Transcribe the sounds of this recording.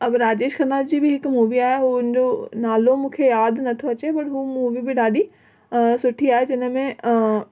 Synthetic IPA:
ɐbɾaːd͡ʒeːʃkʰɐɾnaːtd͡ʑiːbʱiɦɪkmuːʋiaːjeɦoɪnd͡ʒonaːlomʊkʰejaːd̪nɐt̪ʰoɐt͡ʃebɐʈɦumuːʋibʱiɖaːɗi | sʊʈʰiaːed͡ʒɪnmẽ

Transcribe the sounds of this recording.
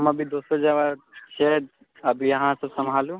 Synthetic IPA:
mɐbʱid̪oːsod͡ʒaʋaɾt͡ʃʰed̪ | ɐbʱijɐɦãsəbsəmʱaːlũ

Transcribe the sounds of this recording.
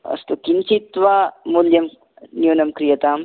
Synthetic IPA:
ɐ̰st̪ukint͡ʃit̪ʋamuljɐm | njuːnɐmkɾijɐt̪aːm

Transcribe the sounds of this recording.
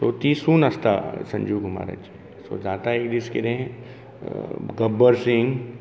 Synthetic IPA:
t̪oːt̪iːsuːnɐst̪a̰sɐ̃ɲd͡ʒuːɡʱʊma̰ːɾa̰t͡ʃi | so̰zaːt̪aeːkd̪iskeɾẽ | ɡɐbːəɾsɪŋɡ

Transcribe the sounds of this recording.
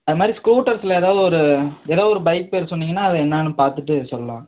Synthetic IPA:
ɐðɯmaːd̪ɾiskɾuːʈːɐɾsɪlɐeːðaːʋðɯɔɾɯeːðaːðɐɔɾɯbɐɪk̚peːɾsɔnːiːŋɡɐnːaːɐðɐɛnːaːnɯpaːɾt̪ɯʈːɯsɔlːɐlã̰ː

